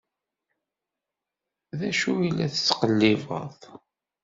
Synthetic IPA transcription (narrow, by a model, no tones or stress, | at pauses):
ðæʃuilːæθəst͡sːqəlːivə̰ðˤ